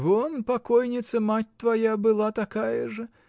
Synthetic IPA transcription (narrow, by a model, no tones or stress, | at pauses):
vɔnpakɔjnʲit̪sɐmatʲt̪vajabɨlˠat̪akajɐʐɐ